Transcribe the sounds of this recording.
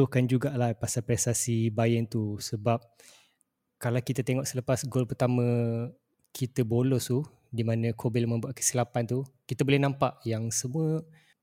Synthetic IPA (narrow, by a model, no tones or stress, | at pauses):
ʊhkand͡ʒuɡaʔlahpasalpɾɛst̪asibajənt̪usəbap̚ | kalawkit̪ət̪eŋɔʔsələpasɡolpərt̪amə̃ | kʰit̪əbolɔst̪u | dimãnə̃kʰobilmə̃mbuaʔkə̥silapant̪ukit̪əbolɛhnãmpaʔjaŋsəmuə